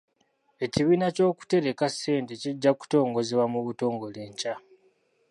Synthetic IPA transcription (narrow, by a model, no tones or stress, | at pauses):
e̞ciβiːnaco̞ːku̥te̞ɾekasːe̞ːnte̞ciɟːaku̥to̞ːŋɡo̞zeβwamuβuto̞ːŋɡo̞leːɲca